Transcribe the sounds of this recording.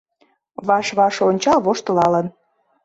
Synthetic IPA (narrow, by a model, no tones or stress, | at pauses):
βɑʃβɑʃonʲt͡ɕɑlβoʃt̪əlɑlən